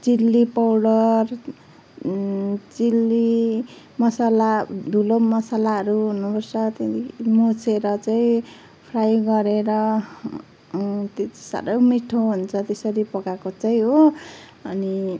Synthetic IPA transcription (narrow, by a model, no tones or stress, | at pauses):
d͡zilːipawɽʌr | d͡zilːi | mʌsalad̪ʱulomʌsalaʌɾuɦunupʌrt͡sʰʌt̪emot͡sʰeɾʌt͡saĩ | pʰrajɡʌɾeɾʌ | t̪e̥sa̰ɾʌjmiʈʰoɦunt͡sʰʌt̪esʌɾipʌɡakot͡saĩɦo | ʌ̰ni